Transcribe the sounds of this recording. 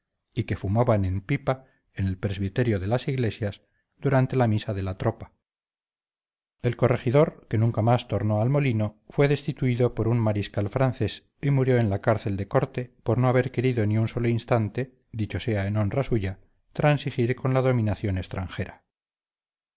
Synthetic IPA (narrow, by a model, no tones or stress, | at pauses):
ike̞fumaβane̞mpipa | ene̞lpɾe̞zβit̪e̞ɾjoðe̞lasiɣle̞sjas | d̪uɾant̪e̞lamisaðe̞lat̪ɾo̞pḁ | e̞lko̞re̞xiðo̞ɾke̞nũŋkamast̪o̞ɾno̞almo̞lino̞fwe̞ðe̞st̪it̪uiðo̞po̞ɾunmaɾiskalfɾanθe̞s | imuɾjo̞enlakaɾθe̞ld̪e̞ko̞ɾt̪e̞po̞ɾno̞aβe̞ɾke̞ɾiðo̞niunso̞loinst̪ant̪e̞ | ðit͡ʃo̞se̞aeno̞nrasuʝa | t̪ɾansixiɾko̞nlaðo̞mĩnaθjo̞nest̪ɾaŋxe̞ɾa